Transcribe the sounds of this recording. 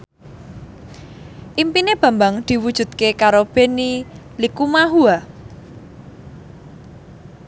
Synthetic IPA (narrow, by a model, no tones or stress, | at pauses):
ʔimpineb̥ä̤mbaŋd̪̥i̤wud̥ʒ̥ṳd̪̚kekaɾob̥e̤ni | likumaɦua